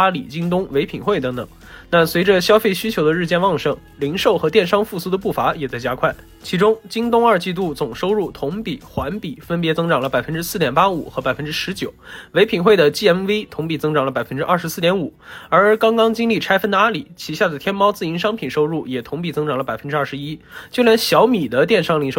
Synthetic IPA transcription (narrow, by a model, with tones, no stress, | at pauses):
a˥lḭ˨˩t͡ɕi˥ŋt̪̬ʊ˥ŋwe˧˥ɪpʰi˨˩nxwe˥˩ɪt̪ɤ˧˥ŋt̪ɤ̰˨˧˩ŋ | na˥˩swe˧˥ɪʈ͡ʂə˧ɕjɑ˥ʊfe˥˩ɪɕy˥t͡ɕʰjo˧˥ʊd̪ə˧ɻ̩˥˧t͡ɕjɛ˥˧nwɑ˥˩ŋʂɤ˥˩ŋ | li˧˥nʂo˥˩ʊxɤ˧˥t̪jɛ˥˩nʂɑ˥ŋfu˥˩su˥d̪ə˧pu˥˩fa˧˥jɛ˨˩t͡sa˥˩ɪt͡ɕja˥kʰwa˥˩ɪ | t͡ɕʰi˧˥ʈ͡ʂʊ˥ŋt͡ɕi˥ŋt̪ʊ˥ŋə˞˥˧t͡ɕi˥˧t̪u˥˩t͡sʊ˨˩ŋʂo˥ʊɻu˥˩t̪ʰʊ˧˥ŋpi˨˩xwa˧˥npi˨˩fə˥npjɛ˧˥t͡sɤ˥ŋʈ͡ʂɑ˨˩ŋlə˦pa˨˩ɪfə˥nʈ͡ʂɻ̩˥sɹ̩˥˩t̪jɛ˨˩npa˥ṵ˨˩xɤ˧˥pa˨˩ɪfə˥nʈ͡ʂɻ̩˥ʂɻ̩˧˥t͡ɕjo˨˩˦ʊwe˧˥ɪpʰi˧˩nxwe˥˩ɪd̪ə˩t͡ɕi˥˩ɛ˥nwe˥ɪt̪ʰʊ˧˥ŋpi˨˩t͡sɤ˥ŋʈ͡ʂɑ˨˩ŋlə˦pa˨˩ɪfə˥nʈ͡ʂɻ̩˥ʔɐ̰˞˥˩ʂɻ̩˧˥sɹ̩˥˩t̪jɛ˧˥nu˨˩ə˞˧˥kɑ˥ŋkɑ˥ŋt͡ɕi˥ŋli˥˩ʈ͡ʂʰa˥ɪfə˥nt̪a˧˥li˨˩˦t͡ɕʰi˧˥ɕja˥˩d̪ə˩t̪ʰjɛ˥nmɑ˥ʊt͡sɹ̩˥˩i˧˥nʂɑ˥ŋpʰi˨˩nʂo˥ʊɻu˥˩jɛ˨˩t̪ʰʊ˧˥ŋp̬i˨˩t͡sɤ˥ŋʈ͡ʂɑ˨˩ŋlə˦pa˨˩ɪfə˥nʈ͡ʂɻ̩˥ɐ˞˥˩ʂɻ̩˧˥i˥t͡ɕjo˥˩ʊljɛ˧˥nɕjɑ˧˥ʊmi˨˩d̪ə˦t̪jɛ˥˩nʂɑ˥ŋli˧˥ŋʂo˥˧˩